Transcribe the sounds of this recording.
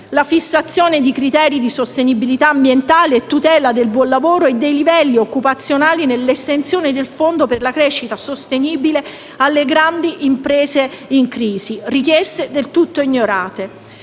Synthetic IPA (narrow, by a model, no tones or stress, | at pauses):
lafisːat̪sːjoːned̪ikɾit̪ɛːɾid̪isost̪enibilit̪aːmbjent̪aːleet̪ːut̪ɛːlad̪elbwɔnlavoːɾoed̪ːejlivɛlːiokːupat̪sːjonaːlinelːest̪ent̪sjoːned̪elfond̪operlakɾeːʃːit̪asost̪eniːbile | alːeɡɾand̪iʔimpɾeːzeiŋkɾiːzirik̟jɛst̪ed̪elt̪ut̪ːoiɲːoɾaːt̪e